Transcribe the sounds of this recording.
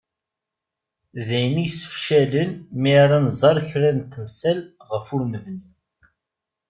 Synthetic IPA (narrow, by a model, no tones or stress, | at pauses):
ðæjmisə̥fʃælənmiɾˤɑnzˤɑɾˤçɾæðnt̪ːəmsælʁəfʊɾməvni